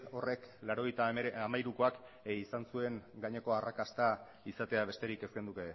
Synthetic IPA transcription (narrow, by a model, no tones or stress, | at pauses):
o̞re̞klaɾo̞ɣejt̪aamajɾuko̞ak | isansue̞ŋɡaɲe̞ko̞arakast̪a | isat̪e̞aβ̞e̞st̪e̞ɾike̞skend̪uke